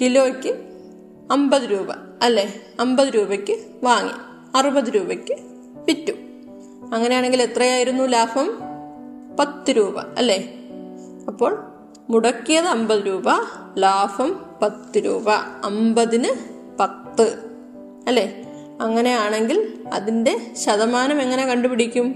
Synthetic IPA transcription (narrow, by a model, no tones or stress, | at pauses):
kilo̞ːkʲːɨ | ɐmbɐðɨɾuːbɐ̰ | ɐlːe̞ɐmbɐðɨɾuːbɐkʲːɨ | ʋaːŋːḭ | ɐrubɐðɨɾuːbɐkʲːɨ | pitːum | ɐŋːɐne̞jaːɳe̞ŋɡilet̪rɐjaːjiɾunːulaːfɐm | pɐt̪ːɨɾuːbɐ̰ɐ̰lːe̞ | ɐpːo̞ːɭ | muɽɐkːijɐðɨɐmbɐðɨɾuːbɐlaːfɐmpɐt̪ːɨɾṵːbɐ̰ɐmbɐðinɨ | pɐt̪ːɨ | ɐlːe̞ | ɐŋːɐne̞jaːɳe̞ŋɡilɐ̰ðinde̞ɕɐðɐmaːnɐme̞ŋːɐne̞kɐɳɖubiɽikʲːum